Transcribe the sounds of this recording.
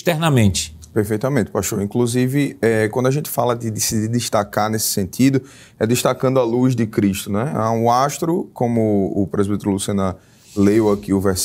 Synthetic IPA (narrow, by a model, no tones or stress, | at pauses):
ʃt̪ɛɾnɐmẽnt͡ʃ̪ɪ̥ | peɾfejt̪ɐmẽt̪ɪ̥paʃoɾĩkluzivɪɛkwɐ̃ndʊaʒẽt̪ɪ̥falɐd̪ɪd̪esid̪id̪ɪʃt̪akaɾnesɪ̥sẽnt̪ʰid̪ʊ | ɛd̪ɪʃt̪akɐ̃nd̪ʊaluzd̪ɪkɾiʃt̪ʊnɛa̰ũaʃt̪ɾʊkõmʊʊ̰pɾezid̪ɛ̃t̪ɛɾlusiɐ̃nɐ | lewakiʊvɛɾs